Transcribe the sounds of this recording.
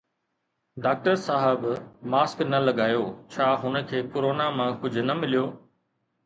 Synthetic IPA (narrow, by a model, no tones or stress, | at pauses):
ɖaːk̚ʈəɾsaːɦɪbmaːsknɐlɐɠaːjoːt͡ɕʰaːɦʊnə̆kʰeːkʊɾoːnamãkʊd͡ʑʱʊ̆nɐmɪlijoː